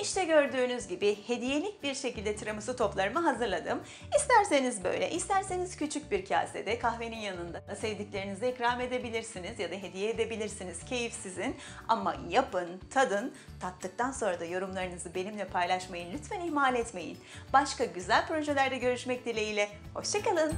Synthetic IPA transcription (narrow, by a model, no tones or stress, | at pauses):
iʃt̪ʰɛɟø̞ɾd̪yːnyzɟibɪhe̞d̪ije̞lʲic̚biɾʃecilʲd̪ɛt̪ʰɯɾamɯsɯt̪ʰo̞plˠaɾɯmɯɦazɯɾlˠad̪ɯm | ist̪ʰæɾse̞nizbø̰jlʲɛ̰ʔist̪ʰæɾse̞niz̥cyt͡ʃʰyc̚biɾcʰa̰ːsḛd̪ɛkʰahve̞ninjanɯnd̪ad̪asevd̪icʲlʲe̞ɾinizɛikɾaːme̞d̪e̞bilʲiɾsinizjad̪aɦe̞d̪ijɛːd̪e̞bilʲiɾsiniz̥cʰe̞jifsizin | a̰mːa̰japɯnt̪ʰad̪ɯn | t̪ʰat̪ʰːɯk̚t̪ʰanso̞nɾad̪ajo̞ɾumlˠaɾɯnɯzɯbe̞nimlʲɛpʰajlˠaʃmajɯnlʲyt̪fæniçmaːlʲɛt̪me̞jḭnbaʃkaɟyzælʲpɾo̞ʒelʲæɾd̪ɛɟø̞ɾyʃmɛc̚d̪ilʲejilʲɛ | ho̞ʃt͡ʃʰakalˠɯn